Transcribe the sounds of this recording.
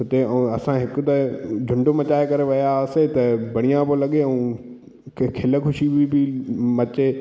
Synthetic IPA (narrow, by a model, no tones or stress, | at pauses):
ʊt̪eɛ̃ũɐsãɦɪkʊ̆t̪ɐd͡ʑʱʊ̃ɳɖomɐt͡ɕaːɪkɐɾeʋɐjaset̪ɐbʱɐɽ̃ijãpolɐɠeɛ̃ũ | kʰkʰɪləkʰʊʃibɪbɪmɐt͡ɕe